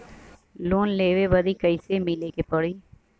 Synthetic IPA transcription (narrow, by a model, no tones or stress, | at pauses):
loːnleːʋeːbəd̪iːkəɪseːmiːleːkeːpəɽiː